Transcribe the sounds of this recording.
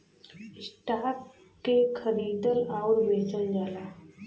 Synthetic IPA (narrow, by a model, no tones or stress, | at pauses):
ɪsʈaːp | kekʰəɾiːd̪əlaʊɾbeːt͡ʃənd͡ʒaːlaː